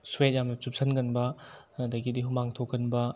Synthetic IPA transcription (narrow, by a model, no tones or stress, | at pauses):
suwet̚jamnɐt͡ʃup̚sʰɐnɡɐnbɐ | dɐɡidiɦumaŋtʰokːɐnbɐ